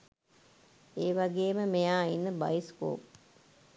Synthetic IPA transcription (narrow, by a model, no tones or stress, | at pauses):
eːʋaɡeːməmejaːinːəbaisko̰ːp